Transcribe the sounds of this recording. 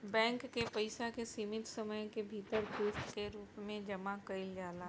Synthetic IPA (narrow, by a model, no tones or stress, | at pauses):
bɛ̃ːŋkːepəɪsakesiːmɪt̪səməjkebʱiːt̪əɾt̪uːst̪keɾuːpmẽd͡ʒɐmakəɪld͡ʒaːla